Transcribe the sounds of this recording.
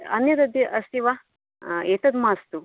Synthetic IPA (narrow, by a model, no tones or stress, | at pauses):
ɐ̰njɐd̪ɐd̪iʔɐst̪iʋa | eːt̪ɐd̪maːst̪u